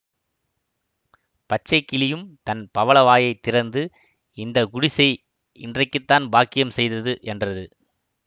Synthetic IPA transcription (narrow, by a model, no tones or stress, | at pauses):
pɐt͡ʃːɐɪkːɪlɪjɯmt̪ɐnpɐʋɐɭɐʋaːjɐɪt̪ːɪɾɐnd̪ɯ | ɪnd̪ɐɡʊɽɪsɐɪ | ɪndrɐɪkːɯt̪ːaːnbaːkːɪjɐmsɛjðɐðɯʔɛndrɐðɯ